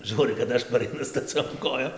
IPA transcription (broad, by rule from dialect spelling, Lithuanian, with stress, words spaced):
ˈʒuːrɨ kɐt ˈɐʃ pɐrɐɪˈnʊ stɐˈt͡sʲoːm ˈkoːjoːm